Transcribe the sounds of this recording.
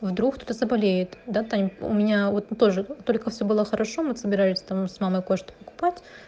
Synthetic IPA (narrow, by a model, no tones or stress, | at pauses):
vd̪ɾukt̪ot̪əzəbɐlʲejɪt̪d̪at̪amʲʊ̰mʲɪnʲavo̞t̪t̪o̞ʐɨt̪o̞lʲkəfsʲɵbɨlˠəxəɾʔɐʂo̞mɨsəbʲɪɾalʲɪsʲt̪amsmaməjkoʂt̪ʊ̥pəkʊ̥patʲ